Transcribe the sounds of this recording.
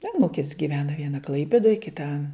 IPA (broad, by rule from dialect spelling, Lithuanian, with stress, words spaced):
ɐˈnuːkʲɪs ɡʲɪˈʋʲæːnɐ ˈʋʲiɛnɐ ˈklˠɐɪpʲeːdoːj kʲɪˈtɐ